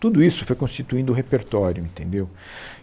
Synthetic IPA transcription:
t̪ud̪ʊisʊfojkõst͡ʃit̪uĩnd̪ʊɦepeɾt̪ɔɾjʊẽt̪ẽnd̪ew

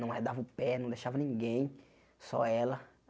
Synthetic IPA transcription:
nɐ̃w̃ɛd̪avɐʊpɛnɐ̃w̃d̪ejʃavɐnĩɡẽj̃ | sɔ̰ɛlɐ

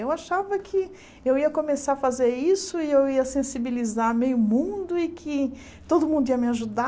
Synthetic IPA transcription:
ewaʃavɐkʰɪ | ewiɐkõmesaɾɐfazeɾisʊɪewiɐsẽsibilizaɾmejʊmũd̪ʊɪkʰɪ | t̪od̪ʊmũnd̪ʊiɐmɪaʒud̪a

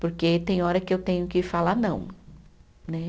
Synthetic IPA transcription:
poɾket̪ẽj̃ɔɾɐkɪewt̪ẽɲʊkɪfalanɐ̃w̃ | nɛ

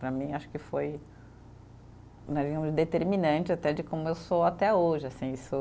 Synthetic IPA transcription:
pɾɐmĩaʃʊ̥kɪfoj | nɛ̃d͡ʒiɡɐ̃mʊzd̪et̪eɾmĩnɐ̃t͡ʃɪat̪ɛd͡ʒɪkõmʊewsowat̪ɛoʒɪasĩisʊ

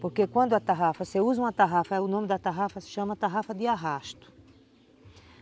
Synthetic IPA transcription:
poɾkekwɐ̃nd̪ʊɐt̪aɦafɐseuzɐũɐt̪aɦafɐɛʊnõmɪd̪ɐt̪aɦafɐsɪ̥ʃɐ̃mɐt̪aɦafɐd̪ɪaɦaʃt̪ʊ̥

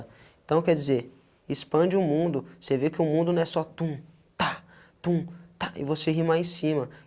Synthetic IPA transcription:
ẽt̪ɐ̃w̃kɛɾd͡ʒizeɾ | ispɐ̃d͡ʒɪũmũnd̪ʊsevekɪʊmũnd̪ʊnɐ̃w̃ɛsɔt̪ũ | t̪a | t̪ũt̪aʔɪ̰voseɦĩmaẽsĩmɐ

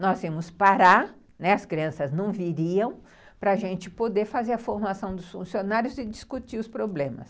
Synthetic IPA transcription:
nɔzimʊspaɾaɾ | nɛɐskɾiɐ̃sɐznɐ̃w̃viɾiɐ̃w̃ | pɾɐːʒẽnt͡ʃɪpod̪eɾfazeɾɐfoɾmasɐ̃w̃d̪ʊsfũsionaɾjʊzɪd͡ʒiskut͡ʃiʊspɾoblẽmɐ̰s

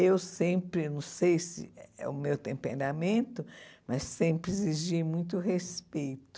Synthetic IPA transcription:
ewsẽpɾɪnɐ̃w̃sejsɪ̰ɛ̰ʊmewt̪ẽmpḛ̃ɾamẽnt̪ʊmɐsːẽpɾɪeziʒimũj̃t̪ʊɦespejt̪ʊ

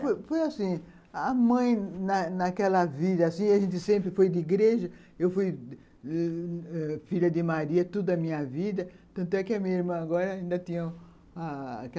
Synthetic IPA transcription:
fojfojasĩ | amɐ̃j̃nɐnɐkɛlɐvid̪ɐasĩaʒẽnt̪ɪsẽmpɾɪfojd̪ɪiɡɾeʒɐ | ewfuj | ɛfiʎɐd̪ɪmaɾiɐt̪od̪ɐmĩɲɐvid̪ɐ | t̪ɐ̃nt̪ʊɛkɪɐmĩɐiɾmɐ̃aɡɔɾɐaĩnd̪ɐt̪ĩɲɐ̃ | a̰kɛ

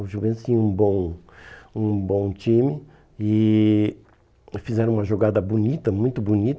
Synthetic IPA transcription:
ʊʒuvẽnt̪st͡ʃĩũbõw̃ | ũbõw̃t͡ʃĩmɪ | ɪ | fizɛɾɐ̃ũmɐʒoɡad̪ɐbunit̪ɐmũj̃t̪ʊbunit̪

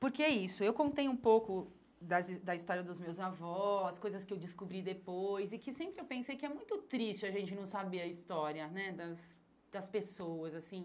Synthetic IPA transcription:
pʊɾkeɛisʊewkõnt̪ejũpowkʊ | d̪ɐzd̪ɐist̪ɔɾiɐd̪ʊzmewzavɔskojzɐskɪewd͡ʒɪskubɾid̪epojzɪkɪsẽmpɾɪewpẽsejkɪɛmũj̃t̪ʊt̪ɾist͡ʃɪɐʒẽnt͡ʃɪnɐ̃w̃sabeɾɐist̪ɔɾiɐnɛd̪ɐs | d̪̥ɐspesowɐzasĩ

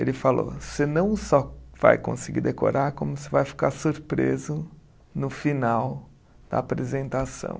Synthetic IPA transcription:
elɪfalo̰sɪnɐ̃w̃sɔva̰jkõ̰sɪɡiɾd̪eko̰ɾʔaɾkõmʊsɪvajfi̥kaɾsuɾpɾezʊ | nʊfinaw | d̪̥ɐ̰ːpɾezẽnt̪asɐ̰̃w̃

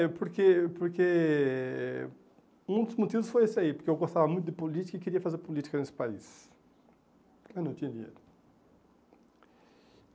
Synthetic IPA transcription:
puɾkepoɾke | ũd̪ʊzmut̪ivʊsfojesɪaipʊɾkeewɡost̪avɐmũj̃t̪ʊd̪ɪpolit̪i̥kɐikeɾiɐfazeɾpolit̪i̥kɐnesɪ̥paḭs | anɐ̃w̃t̪ĩɲɐd̪iɲḛjɾʊ

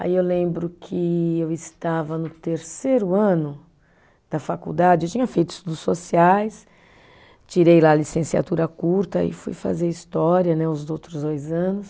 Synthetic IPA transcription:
a̰iewlẽmbɾʊkʰɪewɪst̪avɐnʊt̪eɾseɾʊɐ̃nʊ | d̪̥ɐfakṵd̪ad͡ʒɪewt͡ʃĩɲɐfejt̪ʊɪ̥st̪ud̪ʊsːosiajs | t͡ʃiɾejlalisẽsia̰t̪uɾɐkuɾt̪ɐ̰ḭfṵjfa̰zeɾist̪ɔɾiɐnɛʊzdowt̪ɾʊzd̪ojzɐ̃nʊs

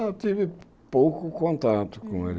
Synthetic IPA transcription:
t̪ivɪ | powkʊkõnt̪at̪ʊ̥kõḛɾ

